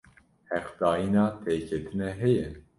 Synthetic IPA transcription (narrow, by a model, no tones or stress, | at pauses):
hɛqd̪̥ɑːjinɑːt̪ʰeːkʰɛt̪ʰɨnɛɦɛjɛ